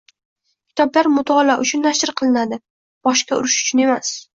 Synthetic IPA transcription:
kʲʰɪ̥t̪ʰɒblaɾmʊt̪ʰɒlaʔʊt͡ʃʰʊnːaʃɪɾqʰɨlˠɪnad̪ɪ | b̥ɒʃkʲaʊ̰ɾɪʃʊ̥t͡ʃʰʊne̞mas

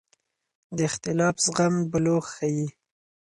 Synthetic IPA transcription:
d̪əɪxt̪ɪlɑfzɣambəloxxaji

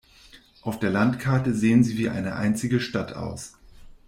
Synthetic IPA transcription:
ʔaʊfd̥eːɐlantkʰaɐtəzeːənziːviːʔa̰ɪnəʔa̰ɪnt͡sɪɡəʃtatʰʔa̰ʊs

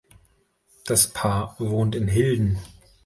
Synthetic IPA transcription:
d̥aspʰaːɐvoːntɪnɦɪldn̩

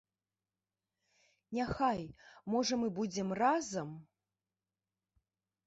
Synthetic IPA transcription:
nʲaxajmɔʐɐmɨbud͡zʲɛmrazɐm

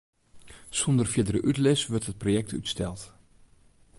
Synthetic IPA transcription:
sondərfjɪdərəʔytlɪsʋøɹtɦət̚projɛk̚tʰy̰tstɛlˠt

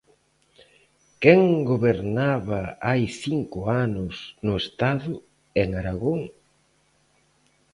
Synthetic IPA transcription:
kɛŋɡoβeɾnaβaajθiŋkʊanʊsnʊest̪aðʊ | eŋaɾaɣoŋ

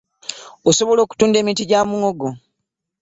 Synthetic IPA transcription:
oso̞βo̞lo̞ːku̥tuːnde̞ːmiːtiɟamuŋoɡo

